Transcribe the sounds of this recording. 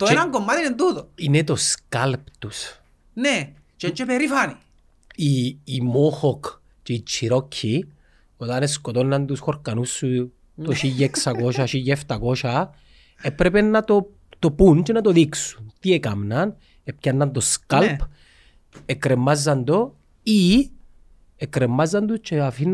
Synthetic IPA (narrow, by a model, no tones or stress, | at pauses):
t̪oeɾaŋkomːat̪inent̪ut̪oinet̪oskalpt̪us | ne | t͡ʃent͡ʃepeɾifani | iːmoxok | t͡ʃeit͡ʃːiɾocʰːi | ot̪aneskot̪onːant̪usxoɾkanusːu | tt̪oʃijeksakoʃaʃijeft̪akoʃa | epɾepenːat̪o | t̪opunt͡ʃenat̪oðiksu̥nt̪iekamnan | epkanːant̪oskalp | ekɾemːazːand̪o | i | ekɾemːazːand̪ut͡ʃeafin